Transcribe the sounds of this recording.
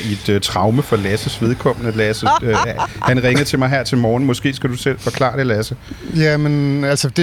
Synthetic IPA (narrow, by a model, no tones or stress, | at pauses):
id̥t͡sʰʁɑ̈ʊməfɒ̽læsəsʋe̝ð̞ˠkʰɒ̽m̰ənəlæsə | hænʁeŋəð̩ˠt͡sʰe̝lmɑ̈ɪɦæɐ̰t͡sʰe̝lmɒːn̩mɒ̽sɡ̥e̝̰ːsɡ̥æd̥usel̰fɒ̽kʰlɑ̰̈ːd̥e̝læsə | jæmenælsəd̥e